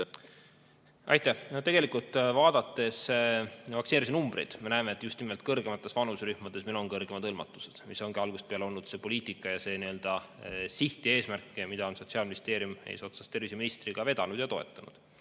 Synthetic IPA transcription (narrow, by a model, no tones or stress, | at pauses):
ʔɑ̰jt̪ːˑæhnot̪e̞ɡ̥e̞likult̪ːˑvɑːd̪̥ɑt̪ːˑe̞s | vɑksineɾisinumbrḛjd̪̥me̞næeme̞ːt̪ːˑjust̪nime̞lt̪kɤrɡe̞mɑt̪ːˑe̞svɑnusɾyhmɑd̪̥e̞sminonkɤrɡ̥e̞mɑd̪ɤlmɑt̪ːˑu̥se̞̥d̪̥miso̞ŋɡ̥iɑlɡ̥ust̪̚peɑleo̞lnːud̪se̞ːpo̞liːt̪ˑikːˑɑjɑse̞ːniø̞ld̪̥ɑsiht̪ie̞ːsmærkːˑemid̪ɑo̞nso̞tsiɑlminist̪e̞ːɾjumḛjso̞t̪sɑst̪e̞rviseminist̪riɡ̥ɑve̞d̪̥ɑnud̪̥jɑt̪o̞e̞̰t̪ːˑɑnṵd̪̥